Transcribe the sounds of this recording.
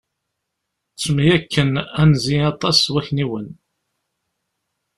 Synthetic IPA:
t͡sːmjækːənænziɑt̪ˤɑswæçniwən

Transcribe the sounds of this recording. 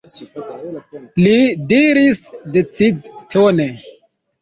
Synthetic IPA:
lidiɾisdet͡sidtʰone

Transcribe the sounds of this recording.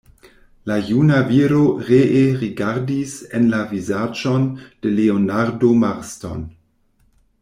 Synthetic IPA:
lajunaviɾoʁeʔeʁiɡaɾdisenlavizad͡ʒond̥eleonaɾdomaɾsto̰n

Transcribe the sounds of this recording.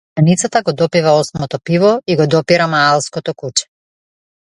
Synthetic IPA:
anit̪sat̪aɡɔd̪ɔpivaɔsmɔt̪ɔpivɔiɡɔd̪ɔpiɾamaalˠskɔt̪ɔkut͡ʃɛ̥

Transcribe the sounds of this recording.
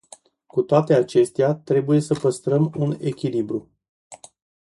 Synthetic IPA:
kut̪oat̪e̞at͡ʃe̞st̪eat̪ɾe̞buje̞səpəst̪ɾəmune̞kʲilibɾu

